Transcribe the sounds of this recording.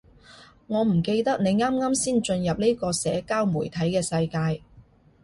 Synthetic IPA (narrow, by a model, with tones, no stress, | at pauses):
ŋɔː˨˧m̩˨˩ke˧jt̪ɐ˥k̚ne˨˧jŋaː˥mŋaː˥msiː˥nt͡ʃɵ˧njɐ˨p̚ni˥kɔː˧sɛː˨˥kaː˥wmuː˨˩jt̪ʰɐ˨˥jkɛː˧sɐ˧jkaː˧j